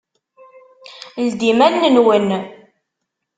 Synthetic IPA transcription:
ld̪imænːənwən

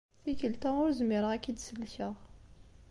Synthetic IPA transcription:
θikəlt̪æʊɾzmɪɾəʁækːid̪səlːçəʁ

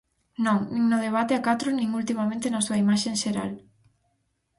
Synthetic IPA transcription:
nõŋnĩŋnʊð̞eβ̞at̪eakat̪ɾʊnĩŋult̪imamẽnt̪enasuɐimaʃeŋʃeɾa̰l

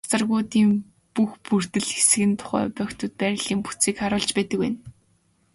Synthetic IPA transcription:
t͡sə̆rɣuːt̪iːm | puxpur̥t̪ɘ̆ɮxe̥sɘ̆ɣɘ̆nt̪ʰʊ̥χæ̰ːpœːkt̪ʊ̆t̪̚pæɾʲɪ̆ɮiːmpu̥t͡siːkχaɾʊːɮt͡ɕpæːt̪ə̆kwæn

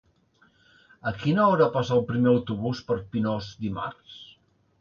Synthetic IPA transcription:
əkinəɔɾapasaːlˠpɾimeəwt̪uβuspəɾpinɔzd̪ima̰rs

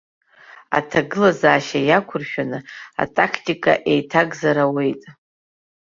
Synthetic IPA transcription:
a̰tʰaɡɨlazaːʃajakʷʰʊrʃᶣanɨa̰tʼakʰtʼikʼa̰ʔe̞jtʰaɡzaɾawe̞jtʼ

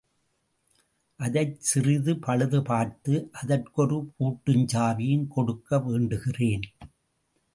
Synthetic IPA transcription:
ʔɐðɐɪsɪrɪðɯpʰɐɻɯðɯpaːɾt̪ɯʔɐðɐrkɔɾɯkuːʈːɯɲd͡ʒaːʋɪjɪnkɔɽɯkːɐʋeːɳɖɯɣɪreːn

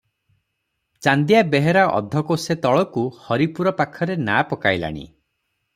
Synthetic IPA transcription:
t͡ʃand̪ijabeɦeɾaʔɔ̰d̪ʱɔkoset̪ɔɭɔkuhɔɾipuɾɔpakʰɔɾenapɔkajla̰ɽ̃ḭ

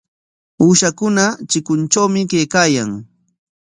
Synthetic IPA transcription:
uːʃakʊnat͡ʃɪkʊnt͡ʃawmɪkejkaːjaŋ

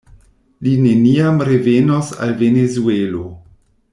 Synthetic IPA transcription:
lineniamɾevenosa̰lvenezuelo

